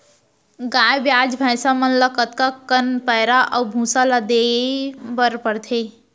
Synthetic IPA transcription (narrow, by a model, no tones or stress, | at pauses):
ɡaːjbjaːd͡ʒbʱajsamənlakət̪kakənpəjɾaʔɐwbʱũːsalad̪e | bəɾpəɽt̪ʰe